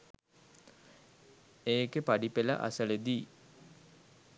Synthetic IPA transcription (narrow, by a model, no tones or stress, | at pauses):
eːkepaɖipela̰ʔa̰səled̪iː